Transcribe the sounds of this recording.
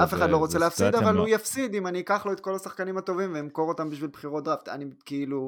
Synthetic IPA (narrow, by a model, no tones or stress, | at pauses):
ʔafe̞χad̪lo̞ʁot͡seleafsid̪avalujafsid̪imanikaχlo̞et̪̚ko̞lasaχkanimat̪o̞vimveimko̞ʁot̪ambiʃvilbχiʁo̞td̪ʁavt̪a̰nikeilu